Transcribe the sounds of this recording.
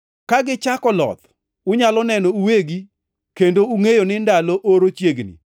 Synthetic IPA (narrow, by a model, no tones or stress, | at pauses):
kaɡɪt͡ʃakɔlɔ̰t̪ | ʊɲalɔnɛnɔuweɡi | kendouŋejonɪndaloʔoɾot͡ʃjeɡnḭ